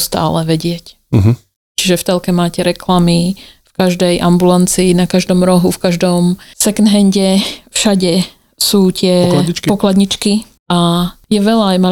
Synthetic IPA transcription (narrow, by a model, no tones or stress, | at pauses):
st̪a̰ːlɛʋɛɟɪɛc | ɦ | t͡ʃiʒɛft̪ɛlkɛmaːcɛɾɛklamifkaʒd̪ɛjʔambulant͡siːnakaʒd̪ɔmɾɔɦufkaʒd̪ɔmsɛknɦɛɲɟɛfʃaɟɛ | suːc̪ɪɛakpɔklad̪ɲit͡ʃki | ajɛʋɛʎaːjma